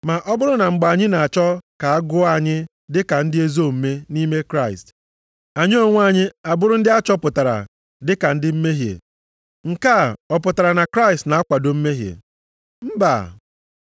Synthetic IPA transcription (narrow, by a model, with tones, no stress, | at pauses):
ma˨ʔɔ˦bʊ˦ɾʊ˦na˨ŋ͡m̩˨ɡ͡ba˨a˨ɲɪ˦na˨a˨t͡ʃɔ˦ka˨a˦ɡʊ˦a˨ɲɪ˦ | dɪ˦ka˨n̩˦dɪ˦e˦zo˦˨m̩˦me˦ni˦me˦kɾa˦˨ɪ̰˨st | a˨ɲɪ˦o˦ŋʷ˦a˦ɲɪ˦a˨bʊ˦ɾʊ˦n̩˦dɪ˦a˦t͡ʃɔ˦pʊ˨ta˨ɾa̰˨ | dɪ˦ka˨n̩˦dɪ˦m̩˦me˦ɦjḛ˨ | ŋ̩˨ka˦˨ɔ˨pʊ˨ta˨ɾa˨na˨kɾa˦ɪi˨stna˨a˦kʷa˨do˨m̩˦me˦ɦjḛ˨ | m̩˦ba̰˨